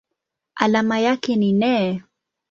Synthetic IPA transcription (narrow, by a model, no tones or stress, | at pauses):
alamajakɛninɛ